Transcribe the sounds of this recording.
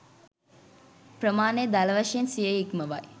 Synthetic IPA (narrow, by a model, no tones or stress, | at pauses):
prəmaːned̪ælɐʋɐʂensijeikməʋaj